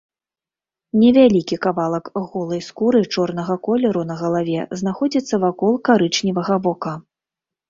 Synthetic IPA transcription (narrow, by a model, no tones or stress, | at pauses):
nʲɛvʲalʲikʲikavalˠɐkɣɔlˠɐjskuɾɨt͡ʂɔrnɐɣɐkɔlʲɛɾunɐɣɐlˠavʲɛznaxɔd͡zʲit̪sːɐvakɔlˠkaɾɨt͡ʂnʲivɐɣɐvɔka